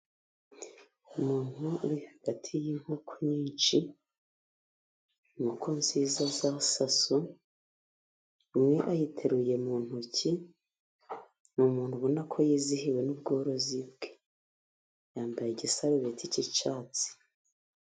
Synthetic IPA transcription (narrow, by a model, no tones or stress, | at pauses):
umuːn̥huuɾihaɡ̥atʰijiŋ̥hukʰoɲiːnt͡ʃi | nukʰonziːzazasasu | mŋe̞ʔajitʰeɾuje̞muːn̥huci | numuːn̥huβunakʰo̞jiːzihiwe̞nubɡoːɾo̞zibɡe̥ | jaːmbajeɟisaɾuβeticit͡ʃaːt͡si̥